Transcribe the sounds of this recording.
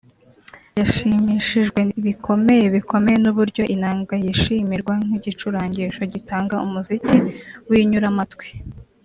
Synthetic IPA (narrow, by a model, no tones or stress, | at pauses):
jaʃimiʃiʒɡwe̞iβikʰo̞me̞jeβiko̞me̞jenuβuɾɟo̞ʔinaːŋɡajiʃimiɾɡwaŋ̥iɟit͡ʃuɾaːɲɟiʃo̞ɟitaːŋɡaumuziciwiɲuɾamatwi̥